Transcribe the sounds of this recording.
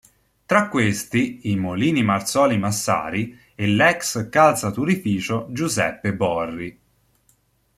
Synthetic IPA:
t̪ɾakːwest̪iimoliːnimart̪sɔːlimasːa̰ːɾi | ɛlɛkskalt̪sat̪uɾifiːt͡ʃod͡ʒuzɛ̰pːebɔrːi

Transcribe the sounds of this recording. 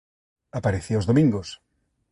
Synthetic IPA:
apaɾeθiozðomĩŋɡos

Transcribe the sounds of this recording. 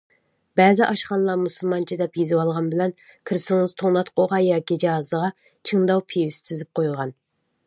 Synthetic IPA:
bɛzɪʔɑʃqɑnlˠɑɾmusulˠmɑnt͡ʃʰid̪ɛpjizɪwɑlˠʁɑnbɪlɛn | kʰɨɾsɨŋɨz̥t̪ʰoŋlˠɑt̪qʰoʁɑjɑːkʲid͡ʒɑɑzəʁɑ | t͡ʃʰɨŋd̪ɑwpʰiwɪst̪ʰɪzɪp̚qʰojʁɑn

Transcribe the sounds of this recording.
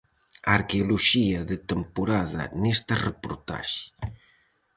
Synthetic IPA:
aɾkeuluʒiaðət̪əmpuɾaða̰nest̪arəpuɾt̪a̰ʃ

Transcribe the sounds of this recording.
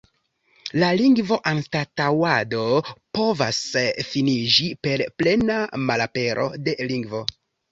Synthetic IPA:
laliŋɡvo̞ʔanstatawadopo̞vasfinid͡ʒipe̞ɾple̞namalape̞ɾʔo̞̰de̞liŋɡvo̞

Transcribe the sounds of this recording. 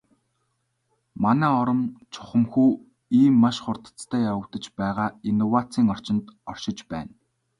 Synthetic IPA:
manæːɔɾə̆mt͡ɕʰʊ̥χə̆mxuː | iːmːaʃχʊrt̪ə̥̆t͡st̪ʰæːjawə̆t̪ə̆t͡ɕpæːʁaːinːɔwat͡siːŋɔr̥t͡ɕɪ̆nt̪ɔr̥ʃɪ̆t͡ɕpæ̰ːn

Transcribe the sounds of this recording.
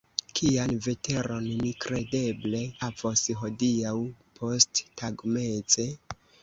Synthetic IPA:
kʰianve̞te̞ɾo̞nnikɾe̞de̞ble̞havosɦo̞diawpʰo̞sttaɡme̞t͡se̞

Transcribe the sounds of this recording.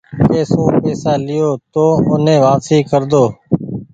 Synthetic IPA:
keːsoːpeːsaːlɪjoːt̪oːʊnẽːʋaːpsiːkəɾd̪oː

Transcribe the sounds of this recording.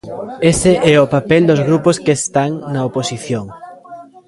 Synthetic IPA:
eseʔɛopapɛld̪ozɣɾuposkest̪aŋnɐoposiθjoŋ

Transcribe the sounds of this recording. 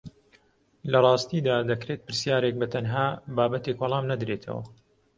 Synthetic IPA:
lɐrˤɑːst̪id̪aːd̪ɐkɾeːt̪̚pɨɾsjaːɾek̚bɐt̪ʰɐnɦaːbaːbɐt̪ekwɑlˠɑːmnɐd̪ɾeːt̪ʰɐ̰wɐ̰

